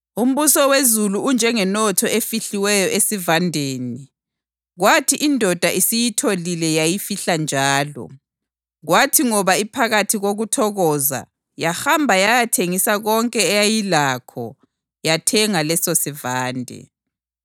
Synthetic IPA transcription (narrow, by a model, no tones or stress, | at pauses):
um̩βusɔwezuluund͡ʒʱɛŋɛnɔtʰɔefiɬiwɛjɔʔesivandʱeːni | ɣwatʰiʔindʱɔd̥ʱaʔisijitʰolilɛjajifiɬand͡ʒʱaːlɔ̰ | ɣwatʰiŋɔβaipʰaɣatʰiɣoɣutʰɔɣɔza̰ | jahambʱajajatʰeŋisaɣɔŋkʼɛːjajilakʰɔ̰ | jatʰɛŋalɛsosivaːndʱɛ̰